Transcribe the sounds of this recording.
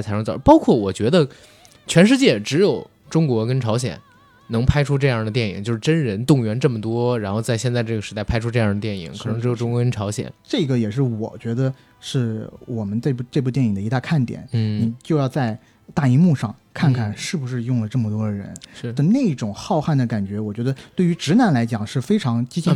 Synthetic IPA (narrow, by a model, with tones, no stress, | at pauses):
t͡sʰa˧˥ʂt͡sɑ˨˩˥pɑ˥ʊkʰwɔ˥˩wɔ˨˩t͡ɕɥɛ˧˥d̪ə˧ | t͡ɕʰɥɛ˧˥nʂ̬ɻ̩˥˧t͡ɕjɛ˥˩ʈ͡ʂɻ̩˧˥jo˨˩ʊ | ʈ͡ʂʊ˥ŋkwɔ˧˥kə˥nʈ͡ʂʰɑ˧˥ʊɕjɛ̰˨˩˦n | nɤ˧˥ŋpʰa˥ɪʈ͡ʂʰu˥ʈ͡ʂɤ˥˧jɑ˥˩ŋd̪ə˩t̪jɛ˥˩nḭ˨˩ŋt͡ɕo˥˧ʊʂɻ̩˥˧ʈ͡ʂə˥nɻə˧˥nt̪ʊ˥˩ŋɥɛ˧˥nʈ͡ʂɤ˥˩mə˩t̪wɔ˥ɻa˧˥nxo˥˧ʊt͡sa˥˧ɪɕjɛ˥˧nt͡sa˥˧ɪʈ͡ʂɤ˥˩ɡə˩ʂɻ̩˧˥t̪a˥˩ɪpʰa˥ɪʈ͡ʂʰu˥ʈ͡ʂɤ˥˧jɑ˥˩ŋd̪ə˩t̪jɛ˥˩nḭ˨˩˦ŋkʰɤ˨˩nɤ˧˥ʈ͡ʂɻ̩˧˥o˨˩ʊʈ͡ʂʊ˥ŋkwɔ˧˥kə˥nʈ͡ʂʰɑ˧˥ʊɕjɛ̰˨˩˦nʈ͡ʂɤ˥˩ɡə˩jɛ˨˩ʂɻ̩˥˩wɔ̰˨˩t͡ɕɥɛ˧˥d̪ə˧ | ʂɻ̩˥˩wɔ˨˩mə˦nt͡sa˥˧ɪpu˥˩ʈ͡ʂɤ˥˧p̬u˥˧t̪jɛ˥˩ni˨˩ŋd̪ə˦i˧˥t̪a˥˧kʰa˥˩nt̪jɛ̰˨˩˦n˥˩ni˨˩t͡ɕjo˥˧ʊjɑ˥˧ʊt͡sa˥˧ɪ | t̪a˥˩i˧˥mu˥˧ʂɑ̰˥˧ŋkʰa˥˩˧nkʰa˥˩nʂɻ̩˥˩bu˩ʂɻ̩˥˧jʊ˥˩ŋlə˩ʈ͡ʂɤ˥˩mə˩t̪wɔ˥d̪ə˩ɻə̰˧˥nʂɻ̩˥˩t̪ə˧na˥˧ɪi˥˩ʈ͡ʂʊ˨˩ŋxɑ˥˧ʊxa˥˩nd̪ə˩ka˨˩nt͡ɕɥɛ˧˥wɔ˨˩t͡ɕɥɛ˧˥d̪ə˧t̪we˥˩ɪy˧˥ʈ͡ʂɻ̩˧˥na˧˥nla˧˥ɪt͡ɕjɑ˨˩ŋʂɻ̩˥˩fe˥ɪʈ͡ʂʰɑ˧˥ŋt͡ɕi˥t͡ɕʰi˥